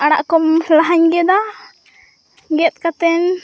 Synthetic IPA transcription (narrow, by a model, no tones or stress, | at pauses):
aɽa̰ʔkɔmlaɦaɲɡɛd̪a | ɡɛt̪̚ˀkat̪ɛn